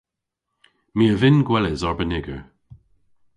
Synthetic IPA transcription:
miəvɪnɡwɛlɪzɔɹbənɪɡə

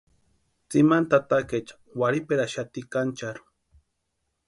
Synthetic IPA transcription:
t͡simant̪at̪aket͡ʃḁ | waɾipeɾaʃat̪ikant͡ʃaɾu̥

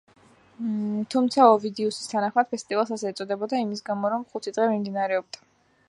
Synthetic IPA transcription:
t̪ʰumt̪sʰaɔvid̪ɛusi̥st̪ʰanaχmad̪̥̚pʰɛst̪ʼivalˠsasɛːt̪sʼɔd̪ɛbɔd̪aimisɡamɔɾɔmχut̪ʰid̪ʁɛmimd̪inaɾɛɔb̚d̪a

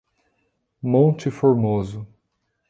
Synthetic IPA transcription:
mõt͡ʃɪfoɾmozʊ

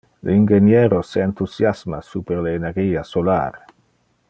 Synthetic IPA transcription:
leinɡenjeɾoseant̪usjasma̰supeɾleːneɾɡiːasola̰ːr

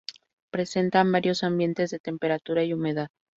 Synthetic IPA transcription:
pɾe̞se̞nt̪ambaɾjo̞sambje̞nt̪e̞zðet̪e̞mpe̞ɾat̪uɾaiume̞ðað

